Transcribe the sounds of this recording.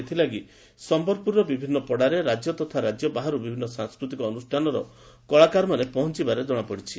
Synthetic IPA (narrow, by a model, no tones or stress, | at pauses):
et̪ʰilaɡi | sɔmbɔɾpuɾɔbibʱinːɔpɔɽaɾeɾad͡ʒjɔt̪ɔt̪ʰaɾad͡ʒjɔbaɦaɾubibʱinːɔsaŋskɾut̪ikɔːnusʈʰanɔɾɔ | kɔɭakaɾmanepɔɦɔnt͡ʃibaɾed͡ʒɔɽ̃apɔɽit͡ʃʰi